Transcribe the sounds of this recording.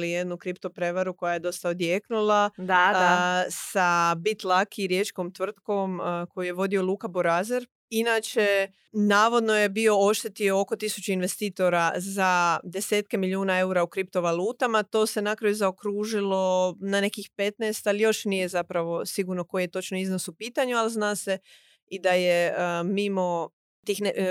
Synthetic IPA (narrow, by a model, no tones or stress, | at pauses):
lije̞d̪nukɾipt̪o̞pɾe̞ʋaɾuko̞jaje̞d̪o̞st̪aod̪jeknulˠada | sabit̪lˠakiɾje̞t͡ʃko̞mt̪ʋr̩t̪ko̞mko̞juje̞ʋo̞d̪io̞lˠuːkaboɾazeɾ | inaːt͡ʃe̞ | naːʋo̞d̪no̞je̞bio̞o̞ʃt̪e̞t̪io̞oko̞t̪isut͡ɕeinʋe̞st̪iːt̪o̞ɾazad̪e̞se̞ːt̪̚ke̞milʲjuːnae̞uɾaukɾip̚t̪o̞ʋalˠuːt̪amat̪o̞ːse̞nakɾajuzaokɾuːʒilˠo̞nane̞kixpe̞t̪neːst̪alijo̞ʃnijezapɾaʋo̞siɡuɾno̞ko̞jijet̪o̞t͡ʃnoiznosupiːt̪aɲualznaːse̞ | id̪ajemimo̞ | t̪iːxn